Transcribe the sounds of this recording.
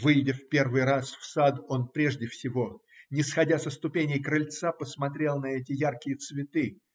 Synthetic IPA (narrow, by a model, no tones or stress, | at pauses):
vɨjdʲɪfpʲe̞rvɨjɾasfsad̪o̞npɾʲeʐdʲɪfsʲɪvo̞nʲɪsxɐdʲasəst̪ʊpʲenʲɪjkɾɨlʲt̪sapəsmɐt̪ɾʲe̞lˠnɐɛtʲɪjarkʲɪjət̪svʲɪt̪ɨ